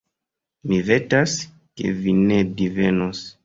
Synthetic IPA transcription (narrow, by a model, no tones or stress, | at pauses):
mivetas | kḛvinedivenos